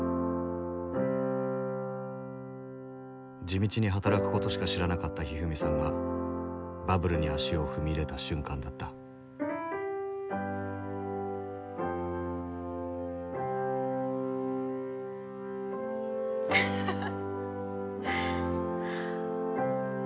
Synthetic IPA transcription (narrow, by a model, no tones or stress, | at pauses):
d͡ʑimʲit͡ɕiɲ̟iɦat̪aɾakɯ̟̥ko̞t̪o̞ɕi̥kaɕiɾanakat̪ːaçiɦɯ̟mʲisãŋɡa̰ | babɯ̟ɾɯɲ̟iaɕio̞ɸɯ̟mʲiɾe̞t̪aɕɨ̃ŋkãnd̪at̪ːḁ